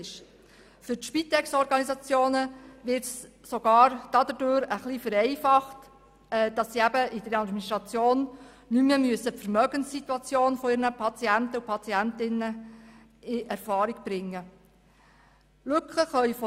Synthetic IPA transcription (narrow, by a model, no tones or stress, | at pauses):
ɪʃ | fʏɾtʃpit̪ɛksɔɾɡɑnizɑt͡sjoːnəʋɪɾts | soɡ̥ɑːɾd̥ɑd̪ədøːɾəχlifəɾɛɪfɑχt | ɛd̥ɑssiæbəɪd̥əɾɑdministʁɑt͡sjoːn | nyməmyəsəpfəɾmœɡənsːit̪wɑt͡sjoːnfɔiɾnəpʰɑt͡siæntəupʰɑt͡siæntɪnːə | ɪʔɛɾfɑːɾiɡb̥ɾɪŋːə | lʉkχəχœʏfɔ